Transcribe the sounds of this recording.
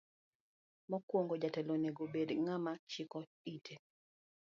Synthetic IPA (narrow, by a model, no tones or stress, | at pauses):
mɔkwoŋɡod͡ʒatɛlonɛɡobedŋamat͡ʃɪkɔ | itʰe